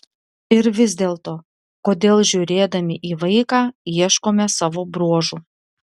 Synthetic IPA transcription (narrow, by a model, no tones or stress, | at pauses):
ɪɾʋʲɪzʲd̪ʲeːlˠt̪oː | koːd̪ʲeːlˠʒʲuːɾʲeːd̪ɐmʲɪʔiːʋɐɪkɑːiɛʃkoːmʲɛsɑːʋoːbɾuɔʒuː